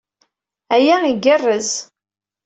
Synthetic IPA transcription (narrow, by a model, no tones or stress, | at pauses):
æjæiɡərːəz